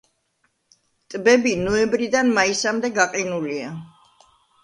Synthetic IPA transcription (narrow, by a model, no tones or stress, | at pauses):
t̪ʼbɛbinɔɛmbɾid̪anmaisamd̪ɛɡaqʼinulia